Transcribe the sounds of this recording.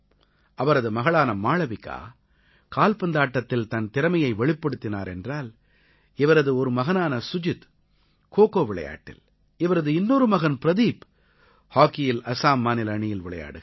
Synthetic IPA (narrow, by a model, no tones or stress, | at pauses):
ʔɐʋɐɾɐðɯmɐɣɐɭaːnɐmaːɭɐʋɪkːa̰ː | kaːlpɐnd̪aːʈːɐt̪ːɪlt̪ɐnt̪ɪɾɐmɐjɐɪʋɛɭɪpːɐɽɯt̪ːɪna̰ːɾɛndraːl | ɪʋɐɾɐðɯɔɾɯmɐɣɐnaːnɐsʊd͡ʒɯt̪ | koːkoːʋɪɭɐ̰ja̰ːʈːɪ̰l | ɪʋɐɾɐðɯɪnːɔɾɯmɐɣɐnpɪɾɐðiːp | haːkɪjɪlɐsaːmːaːnɪlɐɳɪjɪlʋɪɭɐja̰ːɽɯɣ